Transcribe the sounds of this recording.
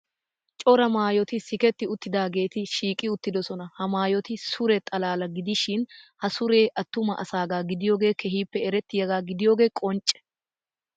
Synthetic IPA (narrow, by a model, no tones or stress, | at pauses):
t͡ʃʼɔɾɐmaːjɔt̪ɪsɪkɛt̪ːɪʊt̪ːɪd̪aːɡe̞ːt̪ɪʃiːkʼɪʊt̪ːɪd̪ɔsɔnɐhɐmaːjɔt̪ɪsʊɾɛt̪ʼɐlaːlɐɡɪd̪ɪʃɪnhɐsʊɾe̞ːʔɐt̪ːʊmɐ̰ʔɐsaːɡaːɡɪd̪ɪjo̞ːɡe̞ːkʰɛɦiːpːɛɛɾɛt̪ːɪjɐɡaːɡɪd̪ɪjo̞ːɡe̞ːkʼɔnt͡ʃʼːɛ̥